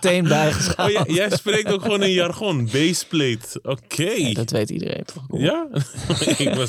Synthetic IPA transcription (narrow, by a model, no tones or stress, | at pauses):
tejnbɛjχəsaojɛjɛjsprejk̚toːkχʋoːnɪnjɑrχɔnbejspleːtokʰejdɔtʋejtḭdə̰rḛjntʰɔχkja | ɪkʋɑs